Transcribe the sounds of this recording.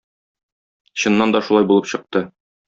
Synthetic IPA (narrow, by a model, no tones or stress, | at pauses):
ɕɤ̆nːɑnd̪ɒʃulˠɑjbulˠɤpɕɤ̆q̚t̪ɤ